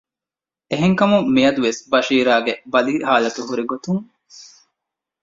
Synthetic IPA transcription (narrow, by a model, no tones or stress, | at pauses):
eɦeŋkɐmumːijɐd̪uʋesbɐʃiːɾaːɡebɐliɦaːlɐt̪uɦuɾiɡot̪uŋ